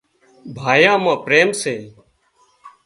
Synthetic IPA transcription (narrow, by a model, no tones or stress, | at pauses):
bʱaːjãːmãːpɾeːmseː